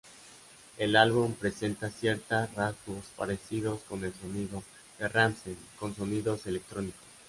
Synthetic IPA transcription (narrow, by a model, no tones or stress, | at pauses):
e̞lalβumpɾe̞se̞nt̪asje̞ɾt̪arazβospa̰ɾesiðo̞sko̞ne̞lso̞niðo | ðeramsenko̞nso̞niðo̞se̞lek̚t̪ɾo̞nikos